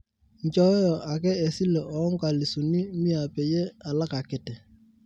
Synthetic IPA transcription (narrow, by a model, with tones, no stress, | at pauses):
ɲ̩˨t͡ʃɔ˦ɛ˦jɔ˨ʔa˨kɛ˦e˨si˦le˨ʔɔ˨˦ŋ˦ka˨li˨su˨ni˦mi˦a˨pe˨je˦a˨la˦ka˨ke˨tɛ˨